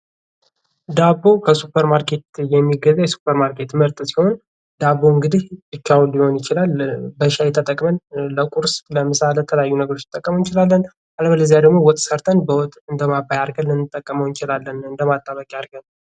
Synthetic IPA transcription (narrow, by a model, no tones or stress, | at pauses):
d̪abo̞kʰəsupʰːəɾmaɾkʰe̞t̪jɛmːiɡəzːajɛsu̥pʰːəɾmaɾkʰe̞t̪məɾt̪ʼɨsiho̞n | d̪abːo̞ɨŋɡɨd̪ihɨt͡ʃːawlːiho̞njɪt͡ʃɪlalbəʃajɛt̪ʰət̪ʼəkʼmənləkʼuɾsləmɨsalet̪ʰələjajːunəɡəɾot͡ʃːɪ̥t̪ʼːəkʼːəməwjt͡ʃɪlalːən | aləβələzjad̪əɡmo̞wɔt̪ʼsəɾt̪ʰənbəwɔt̪ʼːɨnd̪əmabːajaɾɡəlːɨnːɨt̪ʼːəkʼːəməwɪt͡ʃɪlalːənɨnd̪əmat̪ʼːaβəkʼjaɾɡən